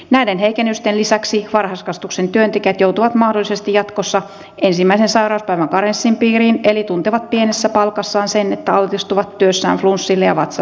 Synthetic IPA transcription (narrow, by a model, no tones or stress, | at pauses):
næidenɦeikenːyst̪enlisæksiʋɑrhɑskɑst̪uksent̪yønt̪ekiæt̪jout̪uʋɑt̪mɑhdolːˑisest̪ijɑt̪kosːɑ | ensimːæisensɑirɑuspæiʋæŋkɑɾensːimpiːɾiːnelit̪unt̪eʋɑt̪̚pienesːæpɑlkɑsːɑːnsenet̪ːæɑlt̪ist̪uʋɑt̪ːyøsːæ̰ːɱflunsːilːejɑʋɑt̪sɑ